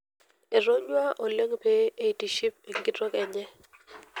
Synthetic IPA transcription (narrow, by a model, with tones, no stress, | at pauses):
e˨ɾo˦ɲwa˦ʔo˨le˦ŋpe˦e˦i˨ti˨ʃi˦p̚e˨ŋɡi˦tɔ˦kɛ˨ɲɛ˦